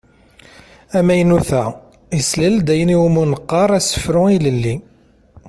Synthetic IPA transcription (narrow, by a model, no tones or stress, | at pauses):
æmæjnuθæ | islæld̪æjəniwumunəqːɑɾˤæsə̥fɾʊiləlːi